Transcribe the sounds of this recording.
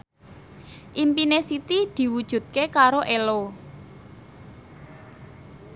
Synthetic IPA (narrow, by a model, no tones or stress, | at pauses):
ʔimpinesit̪id̪̥i̤wud̥ʒ̥ṳt̪̚kekaɾoʔelo